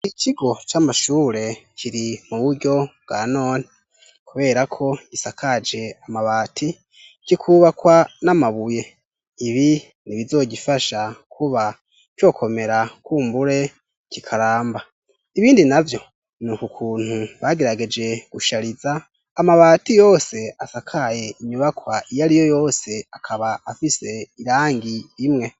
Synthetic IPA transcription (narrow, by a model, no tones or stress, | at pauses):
icʰiɡo̞t͡ʃamaʃuːɾe̞cʰiɾimuβuɾɟo̞bɡano̞ːne̥ | kuβe̞ːɾakʰo̞ɟisakad͡ʒe̞amaβaːtʰi | kikʰuβakwanamaβuje̞ | iβi | niβizo̞ːɟifaʃakʰuβa | cwo̞ːkʰo̞me̞ɾakuːmbuɾe̞ | cikʰaɾaːmba | iβiːndinavjo̞ | nukukʰuːn̥huβaɡe̞ɾaɡe̞d͡ʒe̞ɡ̥uʃaɾizaː | maβaːtijo̞ːse̞asakʰaje̞iɲuβakwaʔijaɾijo̞jo̞ːse̞akʰaβaːfise̞iɾaːŋɡiɾimŋe̞